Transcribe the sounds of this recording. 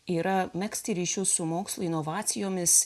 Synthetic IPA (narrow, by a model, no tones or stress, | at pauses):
iːɾɐmʲɛksʲt̪ʲɪɾʲiːʃʲʊsʊmoːkslˠʊɪnɔʋɑːt̪sʲɪjoːmʲɪs